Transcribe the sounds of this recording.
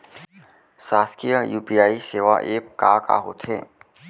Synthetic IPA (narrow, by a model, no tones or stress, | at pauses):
saːskijəjuːpijaːiseːʋa̰ʔeːpkaːka̰ːɦo̰ːt̪ʰeː